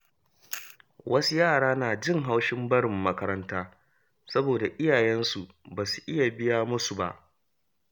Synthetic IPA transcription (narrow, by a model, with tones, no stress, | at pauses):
wʔɐ˦su˦jaː˦˨ɽaː˦naː˨d͡ʒɪ˦ŋɦa˦wʃɪ˦mbɐ˦ɽɪ˨mːɐ˦kɐ˦ɾɐ˦ntaː˦ | sɐ˦boː˨da˨ʔɪ˦jaː˨jɛ˦nsu˨ | baː˨su̥˨ʔɪ˦ja˨bɪ˦jaː˦mʊ˦su˨ba̰˦˨ʔ